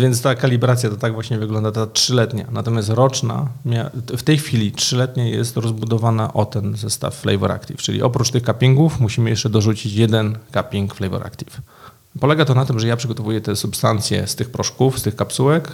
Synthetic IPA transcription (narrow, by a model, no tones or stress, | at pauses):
vʲjɛnt̪st̪akalʲibɾat̪sʲjat̪ɔt̪aɡvwaɕɲɛvɘɡlɔnd̪at̪atʂɘlɛt̪ɲa̰nat̪ɔmjast̪ɾɔt͡ʂna̰mʲjaft̪ɛjxfʲilʲitʂɘlɛt̪ɲajɛst̪ɾɔzbud̪ɔvanaʔɔt̪ɛnzɛst̪a̰fːlɛ̰jvɛ̰ɾa̰kt̪ʲḭft͡ʂɘlʲḭʔɔpɾut͡ʂt̪ɘxkapʲiŋɡufmuɕimɘjɛʂt͡ʂɛd̪ɔʐut͡ɕit͡ɕjɛd̪ɛnkapʲiŋkflɛjvɛ̰ɾʔa̰kt̪ʲif | pɔlɛɡat̪ɔnat̪ɘmʐɛjapʂɘɡɔt̪ɔvujɛt̪ɛsupst̪ant̪sʲjɛ̰st̪ɘxpɾɔʂkufst̪ɘxkapsuwɛk